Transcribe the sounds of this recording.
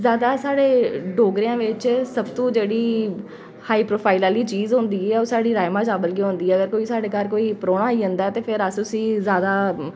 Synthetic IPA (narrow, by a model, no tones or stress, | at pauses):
zjaːd̪aːsaːɽeːɖoːɡɾejãːʋɪt͡ʃsəbt̪õːd͡ʒeːɽiː | haːiːpɾoːpʰaːɪlaːliːt͡ʃiːzɦõːnd̪iːɛːoːsaːɽiːɾaːjmãːd͡ʒaːbəlk̬iɦõːnd̪iːɛːəɡəɾkoːiːsaːɽeːkəɾkoːiːpɾoːɳaːiːə̃nd̪aːɛːt̪eːpʰɪɾəsʊsĩːzjaːd̪aː